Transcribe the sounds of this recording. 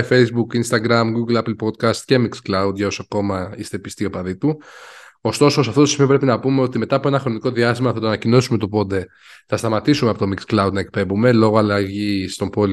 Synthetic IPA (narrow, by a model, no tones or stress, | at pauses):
fe̞jzbukinst̪ɐɡɾɐmɡuɡlɐplpo̞d̪̚kɐst̪ce̞miksklɐud̪ʝɐo̞soɐko̞mɐist̪e̞pist̪io̞pɐðit̪u | o̞st̪o̞sos̬ɐft̪otosi̥pepɾeinɐpume̞o̞t̪ime̞t̪ɐːpo̞e̞nɐxɾo̞niko̞ðiɐst̪imɐθɐt̪oɐnɐcino̞sume̞t̪o̞po̞nd̪e̞ | θɐst̪ɐmɐt̪isumeɐpot̪o̞miksklɐud̪nɐek̚pe̞bume̞lo̞ɣoɐlɐʝist̪o̞mpo̞li